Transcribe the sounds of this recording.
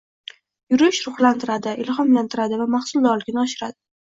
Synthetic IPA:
jʊɾɪʃɾʊχlant̪ʰɪɾad̪ɪʔɪlχɒmlant̪ʰɪɾad̪ɪvamaχsʊlˠd̪ɒlˠɪɡʲɪnɪɒʃɪɾad̪ɪ

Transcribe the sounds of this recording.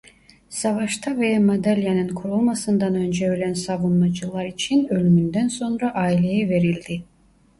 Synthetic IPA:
savaʃt̪ʰavejamod̪ælʲjanɯnkʰuɾulˠmasɯnd̪anø̞nd͡ʒɛølʲænsavunmad͡ʒɯlˠaɾit͡ʃʰinø̞lʲymynd̪ænso̞nɾaʔaːilʲe̞jɛve̞ɾilʲd̪i

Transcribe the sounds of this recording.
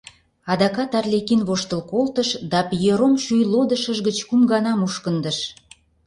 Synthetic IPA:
ɑd̪ɑkɑt̪ɑrlʲekinβoʃt̪əlkolt̪əʃd̪ɑpjøɾomʃyjlod̪əʃəʒɣət͡ɕkumɡɑnɑmuʃkənd̪əʃ

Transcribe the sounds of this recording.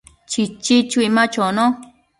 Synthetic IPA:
t͡ʃit͡ʃit͡ʃuimãt͡ʃonõ

